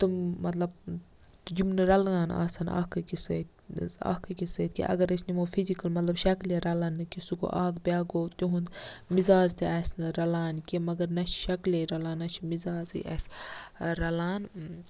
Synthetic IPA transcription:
t̪ummɐt̪lɐb̪̚ | d͡ʒumnɨɾɐlŋaːna̰ːsɐna̰ːkɐkisɐt̪a̰ːkɐkisɐt̪̚ʰʲkḭʔɐ̰ɡɐɾɐsnimoːfʰizikɐlmɐt̪lɐbʃɐkleɾɐlɐnːɨkisuko̰ʔaːkbʲaːɡoːt̪joɦund̪mizaːzt̪ʰiɛsnɾɐlaːnkimɐɡɐɾnɐt͡ʃʰʃɐkleɾɐlaːnːɐt͡ʃʰimizaːzɨ̰ʔɛ̰s | ɾɐlaːn

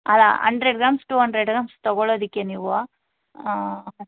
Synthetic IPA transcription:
ɐlːa̰ɦɐ̰ɳɖɾeɖ̚ɡɾaːmsʈuːɦɐɳɖɾeɖɡɾaːmst̪ɐɡoɭoːd̪ikːeniːʋuaː

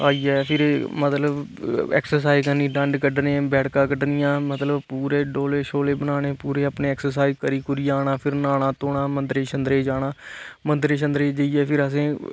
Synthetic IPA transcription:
aːiːɛːpʰɪɾmət̪ləb | ɛ̰ːksəɾs̬aːizkəniːɖə̃ɳɖkəɖnẽːbɛːɽkãːkəɖnɪjãːmət̪ləbpuːɾeːɖoːleːʃoːleːbənaːɽ̃eːpuːɾeːəpnẽːɛːksəɾs̬aːizkəɾiːkʊɾiːaːɽ̃aːpʰɪɾnaːnãːt̪oːɳaːmənd̪ɾeːʃənd̪ɾeːd͡ʒaːɽ̃aːmənd̪ɾeːʃ̬ə̃nd̪ɾeːd͡ʒəiːɛːpʰɪɾəs̬ẽː

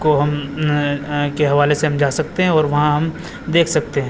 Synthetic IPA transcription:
koɦɐm | keɦɐʋaːleseɦɐmd͡ʒaːsɐkt̪eɦɛ̃ɔːɾʋɐɦãɦɐm | d̪eːkʰsɐk̚t̪eɦɛ̃ː

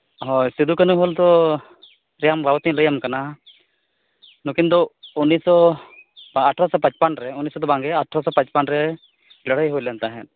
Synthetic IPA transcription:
ɦɔjsid̪ukanuɦɔlt̪ɔ | ɾɛjambʱabt̪ĩləjamkana | nukind̪ɔunːisɔ | aʈʰɾɔsɔpãt͡ʃpanɾɛunisɔd̪ɔbaŋɡɛaʈʰɾɔsɔpãt͡ʃpanɾɛ | ɡəɽəjɦojlɛnt̪aɦɛ̃t̪̚

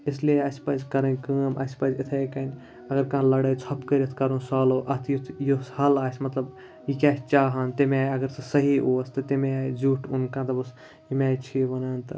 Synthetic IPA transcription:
ɪslieɐsʲpɐzʲkɐɾɐnʲkəːmʔɐ̰sʲpɐzɪt̪ʰekɐnʲ | ɐɡɐɾkãːnlɐɽɐjt͡sʰɐpkɐɾʲɐt̪ʰkɐɾũːsaːloːʔɐt̪ʰjut̪ʰjushɐlaːsʲmɐt̪lɐb | jikʲaːsʲt͡ʃaːɦant̪emːjɐɡɐɾsɐsɐɦiʔoːst̪ɐt̪imeazuːʈʰunkãt̪ɐbɐs | imɛːt͡ʃʰiʋɐnaːnt̪ɐ

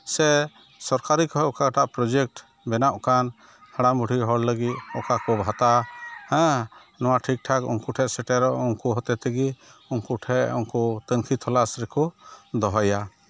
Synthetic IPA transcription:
sɛ | sɔɾkaɾikɔɦɔʔkaɡʈaʔpɾɔd͡ʒɛk̚ʈ | bɛnaʔkan | haɽamuɽiɦɔɽləɡit̪̚ɔkakɔbʱat̪ahɛ̃ | nɔwaʈʰik̚ʈʰakɔ̰ŋkuʈʰɛʔsɛʈɛɾɔʔɔŋkuɦɔt̪ɛt̪ɛɡiɔŋkuʈʰɛʔɔ̰ŋkɔt̪əŋkʰit̪ʰɔlasɾɛkɔd̪ɔɦɔja

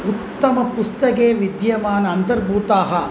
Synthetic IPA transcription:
ut̪ːɐmɐpust̪ɐkeːʋid̪jɐmaːnɐɐnt̪ɐɾbʱuːt̪aːɦɐ

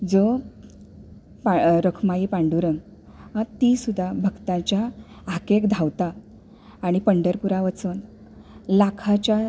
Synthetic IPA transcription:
d͡zo | paɾəkʰmaiːpãɳɖuɾəŋɡ | at̪isud̪ʱːabʱəɡt̪ãt͡ɕja | akekd̪ʱawt̪aː | ɽ̃ipəɳɖəɾpuɾaʋət͡sən | lakʰat͡ɕja

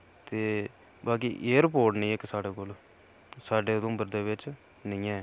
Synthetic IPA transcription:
t̪eː | baːk̬iːʔeːɾəpoːɾʈnə̃ĩːeːksaːɽeːkoːl | saːɖeːʊd̪õːbəɾd̪eːʋɪt͡ʃ | nəĩːɛ̃ː

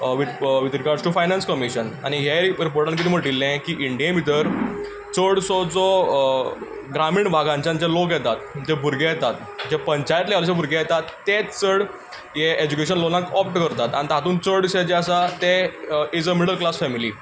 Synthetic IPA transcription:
ʋiʋid̪ɾiɡaɾɖd͡zʈufajnãnskəmiɕəna̰ɽ̃iɦeɾiɾipoɾʈãnkit̪ʰiːməɡɖ̪ilːẽkiːʔiɳɖijẽmit̪̬əɾ | t͡səɽsɔd͡zɔ | ɡɾamiːɳbʱaɡãɲt͡ɕãɲd͡ʑjalok̬jɛt̪at̪̚d͡ʑebʱuɾɡejɛt̪at̪ | d͡ʑepəɲt͡ɕajt̪lealɕ̬ebʱuɾɡejɛt̪at̪ːet͡səɽ | jeed͡ʑukeɕənlonakɔpʈkəɾt̪at̪a̰ɽ̃it̪ɦat̪uːnt͡səɽɕed͡ʑeəsat̪eid͡zəmiɽəɾlklasfɛmili

